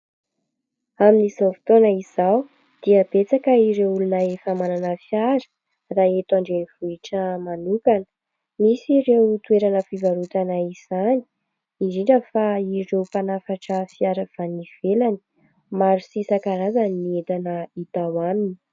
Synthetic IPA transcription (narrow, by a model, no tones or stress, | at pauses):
aminiz̥afi̥t̪onəiz̥aw | d̪̥iəb̥et͡sakəiɾewulunəefamananəfjaɾə̥ | raːet̪aɳɖ͡ʐeniv̥uiʈ͡ʂəmanukanə̥ | misiɾewt̪ueɾanəfivaɾut̪anaiz̥ani̥ | iziɖ͡ʐəfairewpanafaʈ͡ʂəfiaɾəv̥aniv̥elani̥ | maɾusisakaɾazaniet̪anəit̪awamini